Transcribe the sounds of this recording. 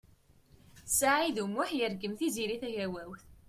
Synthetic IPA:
saʕiðumːʊħjəɾɡəmθiziɾiθæʝæwæwθ

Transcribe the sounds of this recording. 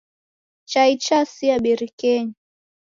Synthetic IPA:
t͡ʃait͡ʃasiaɓiɾikɛɲi

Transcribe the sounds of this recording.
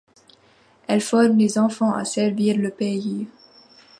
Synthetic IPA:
ɛlfɔʁmlezɑ̃fɑ̃ʔa̰sɛʁviːʁləpei

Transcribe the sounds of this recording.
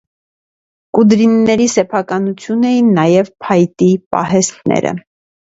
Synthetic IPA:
kud̪ɾinːɛɾisɛpʰɑkɑnut͡sʰjunɛjinːɑjɛvpʰɑjt̪ipɑ̰ɦɛst̪nɛ̰ɾə̰

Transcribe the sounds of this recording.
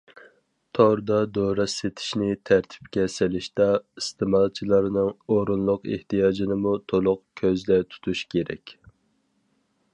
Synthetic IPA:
t̪ʰɑɾd̪ɑd̪oɾɑset̪ʰɪ̥ʃnɪt̪ʰæɾt̪ʰɪ̥p̚kʲɛsɪlɪʃd̪ɑist̪ʰɨmɑlˠt͡ʃʰilˠɑɾnɨŋoɾunlˠʊqḛht̪ijɑːd͡ʒinɨmut̪ʰolˠʊqkʲʰøzlɛt̪ʰu̥t̪ʰuʃkʲeɾɛ̰kʲ

